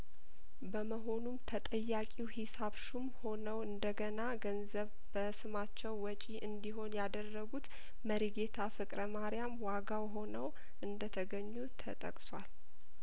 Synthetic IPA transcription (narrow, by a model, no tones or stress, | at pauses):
bəməɦo̞numt̪ʰət̪ʼəjːakʼiwhisaβʃumho̞nəwɨnd̪əɡənaɡənzəβ | bəsɨmat͡ʃːɛwːɔt͡ʃʼiʔɨnd̪iɦo̞njad̪ərːəɡut̪ | məɾiɡe̞t̪ʰafɨkʼɾəmaɾijamwaɡawɦo̞nəw | ʔɨnd̪ət̪ʰəɡəɲːut̪ʰə̰t̪ʼə̰kʼswal